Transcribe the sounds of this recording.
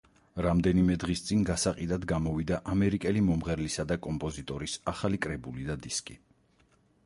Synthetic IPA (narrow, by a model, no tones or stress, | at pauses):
ɾamd̪ɛnimɛd̪ʁist̪sʼiŋɡasaqʼid̪ad̪ɡamɔvid̪aʔamɛɾikʼɛlimɔmʁɛɾlisad̪akʼɔmpʼɔzit̪ʼɔɾisaχalikʼɾɛbulid̪ad̪iskʼi